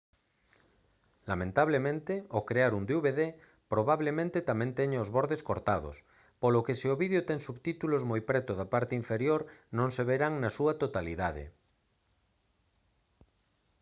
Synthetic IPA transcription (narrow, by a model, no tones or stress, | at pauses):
lamẽnt̪aβ̞lemẽnt̪eokɾeaɾund̪euβeðe | pɾoβaβlemẽnt̪et̪amẽnt̪eɲeozβoɾðeskoɾt̪aðo̰s | polokesioβiðjot̪eŋsuβt̪it̪ulozmojpɾɛt̪oðapaɾt̪eiɱfeɾjoɾnõŋseβ̞eɾaŋnasuat̪ot̪aliðað̞ḛ